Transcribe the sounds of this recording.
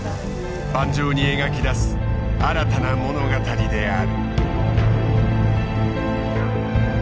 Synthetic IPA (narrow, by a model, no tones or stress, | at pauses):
bãɲd͡ʑoːɲ̟ieɡakʲid̪asɨ̥aɾat̪anamo̞no̞ɡat̪aɾʲid̪e̞aɾɯ̟